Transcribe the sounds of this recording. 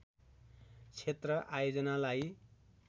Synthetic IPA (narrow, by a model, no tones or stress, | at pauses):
t͡sʰet̪rʌʔajod͡zʌnalaj